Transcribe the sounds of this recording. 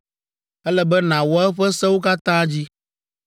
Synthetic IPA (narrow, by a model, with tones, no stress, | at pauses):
ɛ˦lɛ˨bɛ˦nã˨wɔ˨˦a˦ɛ˦ɸɛ˦sɛ˦wo˦ka˦t̪ã˦d͡ʑi˦